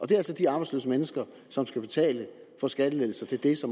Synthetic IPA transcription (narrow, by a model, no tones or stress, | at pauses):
ʔɒ̽d̥e̝ælsɒ̽d̥iɑ̈ːb̥ɑ̈ɪslø̰ːsəmenəsɡ̥ɐ | sɒ̽msɡ̥æb̥e̝t͡sʰɛ̰ːlə | fɒ̽sɡ̥æd̥əleðˠl̩sɐt͡sʰe̝ld̥e̝sɒ̽m